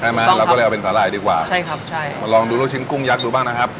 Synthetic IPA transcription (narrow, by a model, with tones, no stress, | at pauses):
a˧˩maː˧˦lːwːʔpe˧nsʰaː˩˦laː˨˩jdiː˧kwaː˨˩t͡ɕʰa˥˩jkʰa˦˥p̚t͡ɕʰa˥˩jma˧lɔː˧ŋduː˧lo˥˩t͡ɕʰi˦˥nku˥˩ŋja˦˥k̚duː˧baː˥˩na˦˥kʰa˦˥p̚